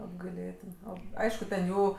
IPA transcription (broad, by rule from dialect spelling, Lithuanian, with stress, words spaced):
ɐbɡɐɪˈlʲeːtʲɪn ˈoː ˈɐɪʃkʊ tʲɛn ˈjuː